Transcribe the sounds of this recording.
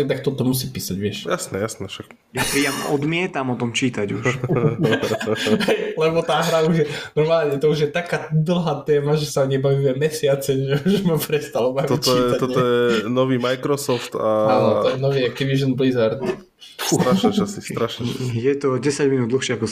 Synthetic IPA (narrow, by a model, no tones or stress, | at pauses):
ɛt̪ak̚t̪ɔt̪ɔmusiːpiːsaɟʋɪɛʃjasnɛjasnɛfʃak | japɾiːamɔd̪mɪɛt̪amɔt̪ɔmt͡ʃiːt̪aɟuʃ | ɦɛjlɛbɔt̪aːɦɾauʒjɛnɔɾmaːlɲɛt̪ɔuʒjɛt̪akaːd̪l̩ˠɦaːt̪ɛːmaʒɛsaɲɛbaʋimɛmɛsɪat͡sɛʒɛuʒɛmapɾɛst̪alɔbaimt̪ɔt̪iːɛat̪ɔt̪ɔjɛnɔʋiːmajkɾɔsɔft̪aanɔɔjɛnɔʋiːak̚t̪iʋiːʒɔnblizaɾt̪ | t̪ɾaʃɛt͡ʃasɾaʃnɛjɛt̪ɔɟɛsaɟminuːd̪d̪l̩xʃɛakɔ